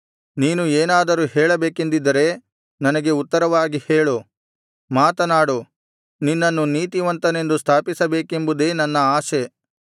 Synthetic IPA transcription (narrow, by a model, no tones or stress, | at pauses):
niːnueːnaːd̪ɐɾuːhɛːɭɐbeːkend̪id̪ːɐɾe̞ː | nɐnɐɡe̞ut̪ːɐɾɐʋaːɡiheːɭu | maːt̪ɐnaːɽu | ninːɐnːuniːt̪iʋɐnt̪ɐne̞nd̪ust̪ʰaːpisɐbeːke̞mbud̪e̞ːnɐnːɐaːʃe